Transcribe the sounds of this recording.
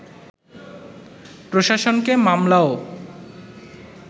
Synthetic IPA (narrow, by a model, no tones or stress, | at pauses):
pɾoʃaʃonkemamlao